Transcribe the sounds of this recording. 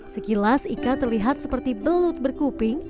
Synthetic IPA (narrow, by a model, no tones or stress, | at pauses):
səkilasikat̪ərliɦat̪̚səpərt̪ibəlut̪̚bərkupɪŋ